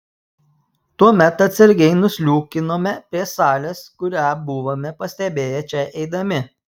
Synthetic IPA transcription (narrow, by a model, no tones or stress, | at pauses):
t̪uɔmʲɛt̪ɐt̪ʲsʲɐɾʲɡʲɛɪnʊsʲlʲuːkʲɪnoːmʲɛpʲɾʲiɛsɑːlʲɛskʊɾʲæːbʊʋomʲɛpɐsʲt̪ʲɛbʲeːjɛt͡ʃʲɛʔɛɪd̪ɐmʲɪ